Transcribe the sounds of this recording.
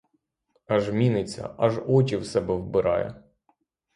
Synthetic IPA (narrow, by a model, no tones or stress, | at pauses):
ɐʒmʲinɪt͡sʲːɐ̰ʔɐʒɔt͡ʃʲiwsɛbɛwbɪɾʔɑ̰jɛ̰